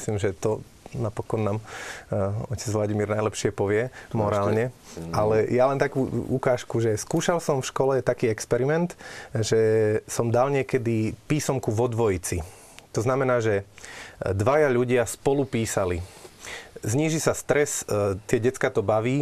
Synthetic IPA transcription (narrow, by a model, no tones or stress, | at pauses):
sliːmʒɛt̪ɔ | napɔkɔnːaːm | ɔcɛd͡zʋlaɟimiːɾnajlɛpʃɪɛpɔʋɪɛmɔɾaːlɲɛʔalɛjalɛnt̪akuːukaːʃkuʒɛskuːʃalsɔmfʃkɔlɛt̪akiːɛkspɛɾimɛnt̪ʒɛsɔmd̪alɲɪɛkɛd̪ipiːsɔmkuʋɔd̪ʋɔjit͡si | t̪ɔznamɛnaːʒɛ | d̪ʋajaʎuɟɪaspɔlupiːsali | zɲiːʒisast̪ɾɛst̪ɪɛɟɛt͡skat̪ɔbaʋiː